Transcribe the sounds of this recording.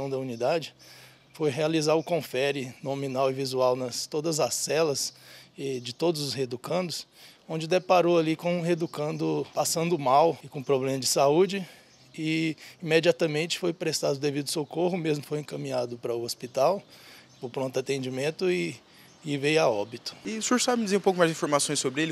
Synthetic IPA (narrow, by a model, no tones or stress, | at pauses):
ɐ̃w̃d̪ɐunid̪ad͡ʒɪ | fojɦealizaɾʊkõfɛɾɪnomĩnawɪvizuawnɐst̪od̪ɐzɐsːɛlɐsɛd͡ʒɪt̪od̪ʊzʊshed̪ukɐ̃nd̪ʊsõd͡ʒɪd̪epaɾoalikõɦed̪ukɐ̃nd̪ʊpasɐ̃nd̪ʊmawɪkõpɾoblẽmɐd͡ʒɪsaud͡ʒɪ | ɪimed͡ʒiat̪ɐmẽnt͡ʃɪ̥fojpɾest̪ad̪ʊd̪evid̪ʊsokoɦʊmezmʊkfojẽkɐmĩɲad̪ʊpɾɐʊospit̪awpʊɾpɾõnt̪at̪ẽd͡ʒimẽnt̪ʊɪː | vejaɔbit̪ʊ̥ɪsuɾʒsabmɪd͡ʒɪzeɾũpowkʊmajzd͡ʒĩfoɾmasõj̃sobɾɪelɪ